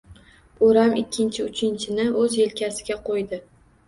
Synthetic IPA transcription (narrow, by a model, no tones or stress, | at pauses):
oɾamɪkʲʰːɪnt͡ʃʰɪʊt͡ʃʰɪnt͡ʃʰɪnɪɵzelkʲasɪɡʲaqʰojd̪ɪ